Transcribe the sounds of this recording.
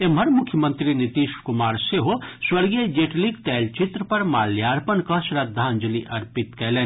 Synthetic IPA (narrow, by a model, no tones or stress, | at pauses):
emɐɾmʊkʰjəmə̃nt̪ɾinit̪iːʃkʊmaːɾseɦoswɐɾɡed͡ʒeːʈliɡt̪ɛːlt͡ʃɪt̪ɾəpɐɾmaːljaːɾpənkɐʃɾɐd̪ʱːãːnd͡ʒəliʔɐɾpɪt̪kɛleːn